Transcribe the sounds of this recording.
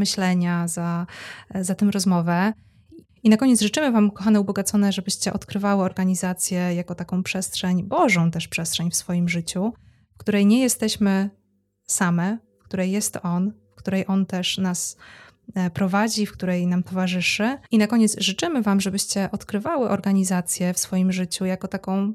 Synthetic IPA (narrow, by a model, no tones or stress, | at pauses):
mɘɕlɛɲaza | zat̪ɛmɾɔzmɔvɛ | inakɔɲet̪sʐɨt͡ʂɘmɘvamkɔxanɛubɔɡat̪sɔnɛʐɛbɘɕt͡ɕɛʔɔt̪kɾɘvawɘɔɾɡaɲizat̪sʲjɛjakɔt̪akɔ̃w̃pʂɛstʂɛɲbɔʐɔ̃w̃t̪ɛʂpʂɛstʂɛɲfsfɔjimʐɘt͡ɕu | fkt̪uɾɛjɲɛjɛst̪ɛɕmɘ | samɛfk̚t̪uɾɛjːɛst̪ɔnfkt̪uɾɛjʔɔnt̪ɛʂnas | pɾɔvad͡ʑifk̚t̪uɾɛjnamt̪ɔvaʐɘʂɘinakɔɲɛt̪sʐɘt͡ʂɘmɘvamʐɛbɘɕt͡ɕɛʔɔt̪kɾɘvawɘʔɔɾɡaɲizat̪sʲjɛfsfɔjimʐɘt͡ɕujakɔt̪akɔ̃w̃